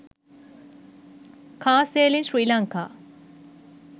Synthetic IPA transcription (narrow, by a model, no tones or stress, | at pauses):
kʰaːseːlinsɾiːlaŋka̰ː